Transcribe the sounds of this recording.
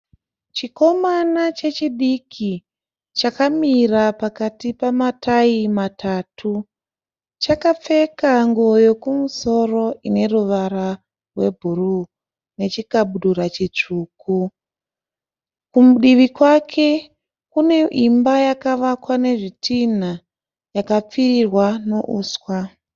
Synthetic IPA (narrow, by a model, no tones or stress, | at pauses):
t͡ʃiko̞manat͡ʃe̞t͡ʃiɗikʰi | t͡ʃakamirapakatipamataimatʰaːtʰu | t͡ʃakap͡fe̞kaŋɡo̞jo̞kumuso̞ro̞ʔine̞ruʋaɾa | rwe̞bʱuru | ne̞t͡ʃikaɓuɗuɾat͡ʃit͡ʂuːku | kumɗiʋikwakʰe̞ | kune̞ʔimbajakaʋakwane̞ʐitʰin̤a | jakap͡firirwano̞ʔuːswa